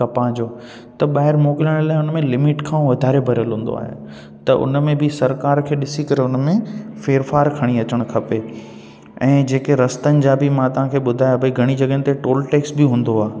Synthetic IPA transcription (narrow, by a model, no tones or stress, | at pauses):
kɐpãd͡ʑoː | t̪ɐɓaːɦɪɾmɔːkɪləɽ̃laːɪʊnəmẽlɪmɪʈkʰãːʋɐd̪ʱaːɾebʱɐɾjəlɦũːn̆d̪o̰a̰ːɦḛ | t̪ɐʔʊ̰nmẽbʱɪsɐɾkaːɾkʰeːɗɪsikɐɾeʊnmẽfeːɾfaːɾkʰɐɽ̃iɐt͡ɕəɽ̃kʰɐpe | ɛ̃ːd͡ʑeːkeɾɐst̪ənɪ̆d͡ʑaːbʱɪmãt̪ɐʋ̤ãkʰeːɓʊd̪ʱaːjobʱɐiɡʱɐɽ̃id͡ʑɐɡənɪ̆t̪eʈoːlʈeːksbɪɦũːn̆d̪oaː